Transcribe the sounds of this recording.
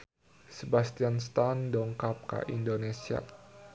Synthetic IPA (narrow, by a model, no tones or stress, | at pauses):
sebast̪ianst̪andɔŋkap̚ka̰ʔindonesia̰